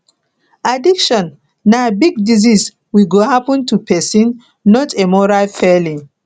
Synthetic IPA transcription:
adikʃɔ̃nː | abiɡ̚dizis | wiɡohapɔ̃ntupɛsĩnː | ɔtemɔɹalfɛlĩ

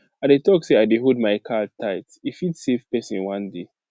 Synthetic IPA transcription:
adetɔkseaɪdeɦod̚maɪkʰatʰːaɪtifitsev̥pɛsĩnwãnde

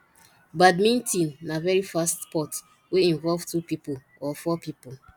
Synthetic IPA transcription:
badmĩntĩnnavɛɹifastpɔt | weĩnvɔlvtupipo | ɔfɔpipo

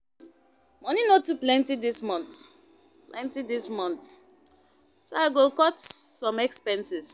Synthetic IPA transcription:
mɔninotuplɛ̃ntidismɔ̃nt | plɛ̃ntidismɔ̃nt | soaɪɡokɔtsɔ̃mɛkspɛ̃nsis

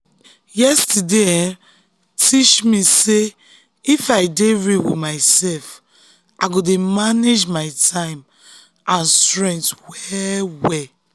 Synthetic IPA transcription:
jɛstude | tʰit͡ʃmise | ifaɪdeɹiwḭmaɪsɛlf | ʔaɪɡodemaned͡ʒmaɪtʰãɪ̃m | ãnstɹɛ̃ntwɛwɛ

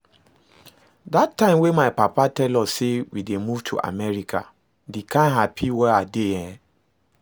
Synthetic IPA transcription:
datːãɪ̃mwẽmaɪpapatɛlɔssewidemuvtʰṵʔa̰mɛɹikʰa̰ | dekʰãnɦapʰiwɛadeɛ̃

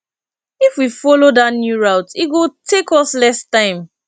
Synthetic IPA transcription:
ifwifɔlodatnjuɹaʊtit̚ɡotʰekɔslɛstãɪ̃m

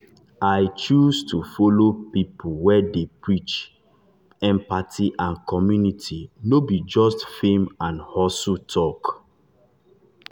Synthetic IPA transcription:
ajt͡ʃustʰufɔlopipuwɛdepɹit͡ʃ | ɛ̃mpatʰiʔãnkʰɔmjunitʰinobid͡ʒɔstfẽmãnhɔsutʰɔk

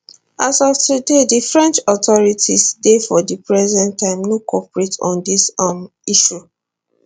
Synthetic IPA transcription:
asɔftudedifɹɛ̃nt͡ʃɔtɔɹitisdefɔdipɹɛzɛ̃ntːãɪ̃mnokʰɔpɹetʰɔ̰̃ndisam | iʃu

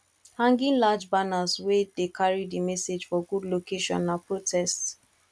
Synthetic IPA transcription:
hãŋɡɪ̃ŋlad͡ʒbanazwedekʰaɹidimɛsed͡ʒfɔɡudlokeʃɔ̰̃nːapɹotʰɛsts

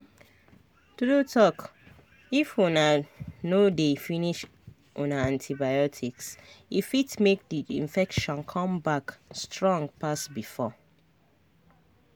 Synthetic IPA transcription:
tudutʰɔk | ifunanodefiniʃ | ʔonaãntʰibajɔtʰiksifitmek̚diḭ̃ɱfɛkʃɔ̃nkʰɔ̃mbakstɹɔ̃ŋɡpasbifɔ

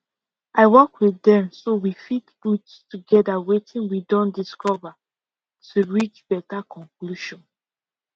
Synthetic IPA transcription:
aɪwɔkwiθdɛ̃msowifitbutstuɡɛdawetʰĩnwidɔ̃ndiskɔva | tuɹit͡ʃb̥ɛtakɔ̃ŋkluʃɔ̃n

